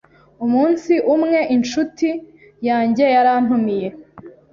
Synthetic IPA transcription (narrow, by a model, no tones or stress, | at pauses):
umuːnsiʔumŋe̞ʔint͡ʃuti | jaːɲɟe̞jaɾan̥umije̞